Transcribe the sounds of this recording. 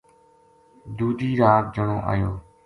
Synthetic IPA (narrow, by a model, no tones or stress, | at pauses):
d̪uːd̪ʱiːɾaːk̚d͡ʒəɳõːʔa̰ːjoː